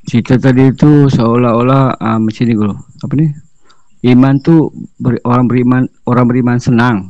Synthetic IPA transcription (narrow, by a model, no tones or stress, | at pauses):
t͡ʃit̪at̪adiːt̪usəolaolaəmət͡ʃiniɡuloapani | imant̪ubəroɾaŋbəɾiman | oɾaŋbəɾimansənaŋ